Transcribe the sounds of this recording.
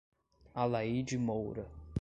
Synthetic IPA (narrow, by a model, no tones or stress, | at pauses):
alaid͡ʒimowɾɐ